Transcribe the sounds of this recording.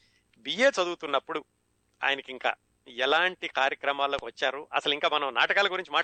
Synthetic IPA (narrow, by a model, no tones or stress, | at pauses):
bije̞ːt͡ʃɐd̪uːut̪unːɐpːuɽu | a̰ːjɐnɐkiŋka̰ː | ɛlaːɳʈikaːɾjɐkɾɐmaːlːoːkiʋɐt͡ʃːaːɾuʔɐ̰sɐliŋkaːmɐnɐmnaːʈɐkaːlɐɡuɾiɲt͡ʃimaː